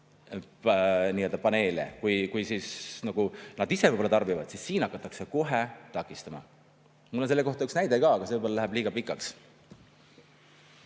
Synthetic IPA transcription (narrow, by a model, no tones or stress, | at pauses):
niːø̞ld̪ɑpɑne̞ːlḛkujkujsiːsnɑɡ̥unɑd̪isevɯjbolːɑt̪ɑrbivɑd̪sisːiːnɑkːˑɑt̪ːˑɑkse̞ko̞ɦet̪ɑkːˑist̪ɑmɑ̰ | mulːonse̞lːe̞ko̞ht̪ɑyksnæjd̪eɡɑɑɡ̥ɑseɯjbolːɑæɦæb̥liːɡ̥ɑpikːˑɑks